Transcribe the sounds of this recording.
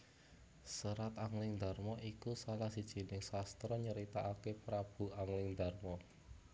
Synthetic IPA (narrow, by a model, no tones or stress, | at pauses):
səɾat̪aŋlɪŋd̪a̤rmɔʔikusalahsid̥ʒ̥i̤nɪŋsast̪ɾɔɲəɾit̪aʔakepɾab̥ṳaŋlɪŋd̪a̤rmɔ